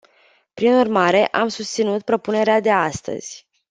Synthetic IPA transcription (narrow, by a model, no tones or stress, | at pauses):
pɾinurmaɾe̞ʔamsust̪sinut̪̚pɾo̞pune̞ɾead̪e̞ast̪ə̰z̥ʲ